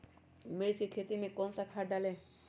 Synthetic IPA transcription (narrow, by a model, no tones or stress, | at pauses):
meɾsʰikʰet̪imekɔnsakʰaɖale